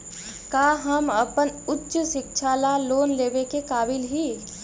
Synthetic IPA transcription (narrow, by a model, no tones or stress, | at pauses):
kaːɦəmɐpənʊtːʃʃɪkʃʰaːlaloːnleːbekekaːbɪlɦiː